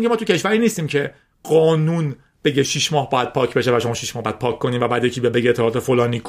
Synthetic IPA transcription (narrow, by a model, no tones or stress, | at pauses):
iŋcʰemɒːt̪ucʰeʃvæɾiːniːst̪iːmcʰe̞ | ɣɒːnun | b̥e̞ɟeʃiʃmɒːhbɒːjæd̪̥̚pʰɒːcʰbe̞ʃevæʃo̞mɒːʃiʃmɒːhbjæd̪̥̚pʰɒːkʰkːoniːmvæbæːd̪jecʰiːbijɒd̪̚be̞ɟiet̪ʰːelɒːt̪ʰefolɒːnikʰ